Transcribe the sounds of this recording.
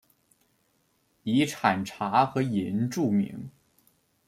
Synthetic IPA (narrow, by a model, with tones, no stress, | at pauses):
i˧˥ʈ͡ʂʰa˨˩nʈ͡ʂʰa˧˥xɤ˧˥jɛ˧˥nʈ͡ʂu˥˩mḭ˧˥ŋ